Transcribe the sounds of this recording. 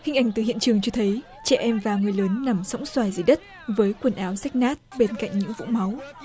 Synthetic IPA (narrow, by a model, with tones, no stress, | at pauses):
hï˧ŋ̟ʔa˨˧˩jŋ̟t̪ɨ˨˩hḭ˧˨ənt͡ɕɨ˨˩əŋt͡ɕɔ˧t̪ʰə˨˦j | t͡ɕɛ˧˩ʔɛ˧mvaː˨˩ŋɨ˨˩əjləː˨˦nːa˨˩msɔ̰˧˥wŋ͡mswaː˧˩jzi˨˩jɗə˦˥t̚ | vəː˨˦jkwə˨˩nʔaː˨˦wsɛ˦˥k̚naː˦˥t̚ɓe˧nka̰˧˨jŋ̟ɲɨ̰˧˥ŋvṵ˧˥ŋ͡mma˨˦w